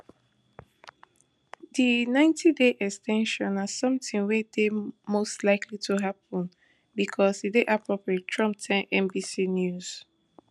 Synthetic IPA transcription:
dinãɪ̃ntʰideʔɛkstʰɛ̃nʃɔ̃nazsʌ̃mtĩŋwedemostlaɪkʰlituɦap̚ɔ̃n | bikʰɔsideʔapʰɹɔpɹiettʰɹɔ̃mp̚tʰɛ̃nʔɛ̃mbisinjuz̥

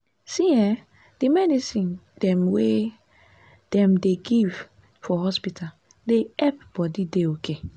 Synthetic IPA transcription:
sĩɛ | d̥imɛdisĩndɛ̃mwe | d̥ɛ̃mdeɡiv | fɔhɔspitʰal | deɛpbɔdideokʰe

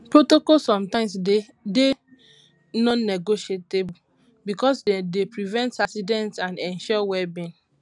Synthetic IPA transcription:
pɹotokɔlsɔ̃mtãɪ̃mse | de | nɔ̃nːeɡoʃeteb | bikɔsdepɹivɛ̃ntasidɛ̃ntãnɛ̃nʃɔwɛbĩn

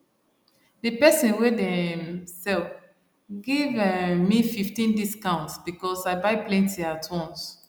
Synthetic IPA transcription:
dəpɛsĩnwedɛmsɛlf | ɡivmififtĩndiskãʊ̃ntsb̥ikɔsaɪbaɪplɛ̃ntiatʰwɔ̃ns

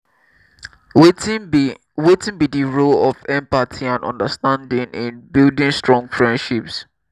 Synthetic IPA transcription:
wetɪ̃nbidiɹolɔvɛ̃mpatʰiãnɔ̰̃ndəstãndɪ̃ŋʔɪ̃nbildɪ̃nstɹɔ̃ŋfɹɛ̃ndʃips

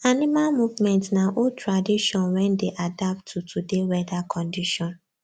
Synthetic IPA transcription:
animalmuvmɛ̃ntnaʔotʰɹadiʃɔ̃nwɛ̃ndeʔadap̚tʰːutʰudewɛdakʰɔ̃ndiʃɔ̃n

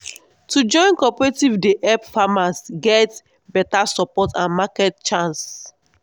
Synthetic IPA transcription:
tʰud͡ʒɔ̃ɪ̃nkɔpɛɹetivdeʔɛpfamasɡɛt | bɛtasɔpɔtãnmakɛtt͡ʃãns

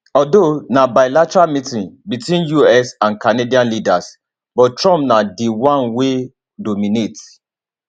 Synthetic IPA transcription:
ɔdonabaɪlatɛɹalmitĩnbitwĩnjuɛsãnkanediãnlidas | bɔttɹɔ̃mpnadiwãnwe | domĩnet

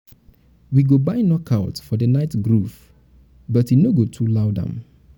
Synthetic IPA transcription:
wiɡobaɪnɔkʰaʊtfɔdənaɪtɡɹuf | bʌtinoɡotʰulaʊdə̰̃m

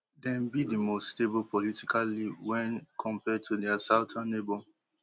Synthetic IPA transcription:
dɛ̃nbidimostebopɔlitikʰaliwɛ̃nkʰɔ̃mpɛd̚tʰudɛasaʊtʰãnːebɔ

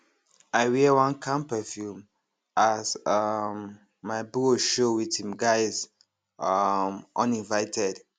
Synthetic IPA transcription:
aɪwiwãnkʰãmpɛfjum | azʌmː | aɪbuʃowithĩmɡaɪz | ʌmʔɔ̃nĩnvaɪtʰɛd

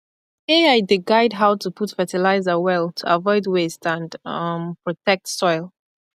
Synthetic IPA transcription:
eaɪdiɡaɪdɦaʊtʰupʰutfɛtilaɪzəwɛlˠtʰuavɔɪdwestʰãnʌmpɹ̥ɔtʰɛk̚tsɔɪlˠ

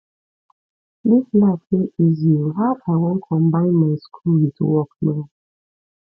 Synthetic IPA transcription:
liflafheizioɦaaɪwɔ̃nkʰɔ̃mbãɪ̃nmaɪskʰulwituwɔknã

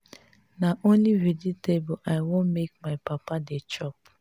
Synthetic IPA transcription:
naonliɾiditeboʔaɪwõnmek̚maɪpapadet͡ʃɔp̚

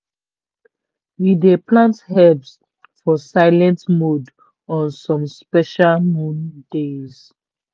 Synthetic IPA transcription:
wideplãnthɛvs | fɔsaɪlɛ̃ntmud | ɔ̃nsɔ̃mspɛʃalmũndez̥

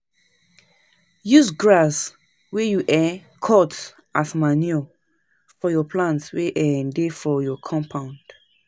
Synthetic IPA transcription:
jusɡɹas | wɛjuʔɛkʰɔt | ʔasmaniɔ | fɔjɔpʰlãntweʔɛ̃defɔjɔkʰɔ̃mpʰãʊ̃nd̥

